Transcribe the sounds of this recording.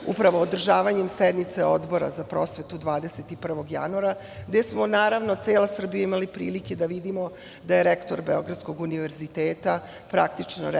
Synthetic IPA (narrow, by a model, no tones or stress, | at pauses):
upɾaʋoːd̪r̩ʒaːʋaɲemsed̪nit̪seod̪bo̞ɾa̰zapɾo̞sʋe̞t̪ud̪ʋaːd̪eset̪ipr̩ʋo̞ɡja̰nuaɾa | ɡd̪e̞smo̞naːɾaʋno̞t̪seːlasr̩bijaimalipɾḭːlike̞d̪aʋid̪imo̞ | d̪ajeɾekt̪oɾbeoɡɾat̪sko̞ɡuniʋeɾzit̪eːt̪a | pɾakt̪it͡ʂno̰